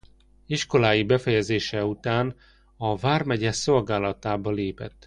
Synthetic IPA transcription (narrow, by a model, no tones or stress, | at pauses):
iʃko̞laːjibɛfɛjɛzeːʃɛut̪aːn | ɒvaːrmɛɟɛso̞lɡaːlɒt̪aːbɒleːpɛ̰t̪ː